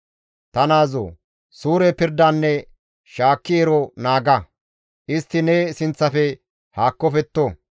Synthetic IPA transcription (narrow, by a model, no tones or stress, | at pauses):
t̪ɐnaːzo̰ː | suːɾɛpɪɾd̪ɐnːɛ | ʃaːkːɪɛɾɔnaːɡɐ | ʔɪst̪ːɪnɛːsɪnt͡sːɐfɛ | haːkːɔfɛt̪ːo